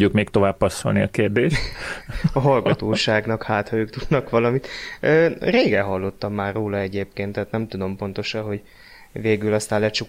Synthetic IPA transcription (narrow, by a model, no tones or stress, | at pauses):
ɟːukmeːkt̪o̞vaːbpɒsːo̰lniɒkeːrd̪eːʃt̪ɒɦɒlɡɒt̪oːʃaːɡnɒkhaːt̪hɒøːkt̪ud̪nɒkʋɒlɒmit̪øːreːɡɛɦɒlːo̞t̪ːɒmːaːrːoːlɒɛɟeːpkeːnt̪ːaːt̪nɛmt̪ud̪o̞mpo̞nt̪o̞ʃɒnɦo̞ɟ | veːɡylɒst̪aːnlɛt͡ʃu